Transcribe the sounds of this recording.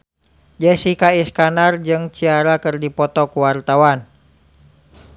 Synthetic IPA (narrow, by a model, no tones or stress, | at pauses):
d͡ʒɛsikaiskanard͡ʒɨŋt͡ʃiaɾakɨrdipɔt̪ɔkuwart̪awan